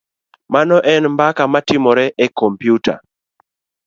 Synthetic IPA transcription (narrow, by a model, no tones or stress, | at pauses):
manɔʔɛnmbakamatɪmɔɾɛʔɛkɔmpjuta̰